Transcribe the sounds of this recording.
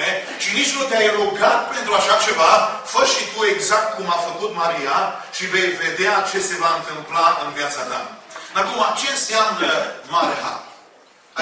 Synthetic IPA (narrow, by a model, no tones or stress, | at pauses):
e | ʃinit͡ʃnut̪eajeloɡat̪pe̞nt̪ɾuaʃat͡ʃe̞vafəʃit̪ue̞ɡzak̚t̪̚kumafəkut̪maɾijaʃive̞jve̞d̪eat͡ʃe̞se̞vaɨnt̪ɨmplaɨnvjat̪sad̪a̰mnak̪umat͡ʃe̞nsamnəmaɾeɦa̰